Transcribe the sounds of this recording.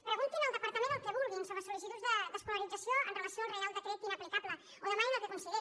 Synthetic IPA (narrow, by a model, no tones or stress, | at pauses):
pɾəɣunt̪inəlˠd̪əpaɾt̪amẽnd̪əlˠkeβulˠɣinsoməsulis̬it̪uzðəðəskolaɾid̪zasjoə̰nrelasjoarealˠd̪əkɾet̪inaplikaplə | onəmakinak̪ekonsie